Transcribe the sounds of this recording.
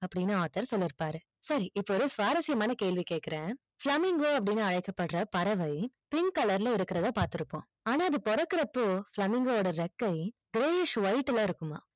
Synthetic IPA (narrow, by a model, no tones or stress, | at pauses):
ɐpːɐɽɪnːɯaːt̪ːɐɾsɔlːɪɾɯpːaːɾɯ | sɐɾiʔɪpːɐɔɾɯsʋaːɾɐsɪjɐmaːnɐkeːɭʋikeːʈ̚kːɪɾẽː | flɐmɪŋɡoːɐp̬ːɐɽɪnːɯɐɻɐɪkːɐpːɐʈːɾɐpɐɾɐʋɐɪ | pɪŋkɐlɐɾlɐɪɾɯkːɪɾɐðãːpaːɾt̪ɪɾɯpːõ̰ː | aːnaːɐðɯpɔɾɐkːɪɾɐpːoflɐmɪŋɡooːɽɐɾɛkːɐɪɡɪɾeːɪʂʋɐɪʈːɪlɐɪɾɯkːɯma̰ː